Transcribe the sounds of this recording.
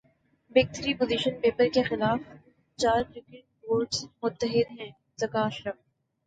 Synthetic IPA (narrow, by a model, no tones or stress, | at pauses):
beːɡ̚t̪əɾipʊziʃənpeːpəɾkexɪlaːf | t͡ʃaːɾɾɪkeʈʋoːɾʈsmʊt̪ːəɦɪd̪ɦɛ̃ | zɐkaːʃɾəf